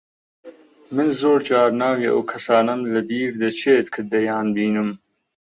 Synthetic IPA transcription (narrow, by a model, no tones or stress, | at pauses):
mɨnzoːɾd͡ʒɑːɾnaːweʔɐ̰wkʰɐsɑːnɐmlɐbiːɾd̪ɐt͡ʃʰeːt̪kʰɨd̪ɐjɑːnbiːnɨm